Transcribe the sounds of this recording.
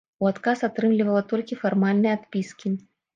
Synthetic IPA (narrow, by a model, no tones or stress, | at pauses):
uat̪kasat̪ɾɨmlʲivɐlˠɐt̪ɔlʲkʲifarmalʲnɨjɛat̪pʲiskʲi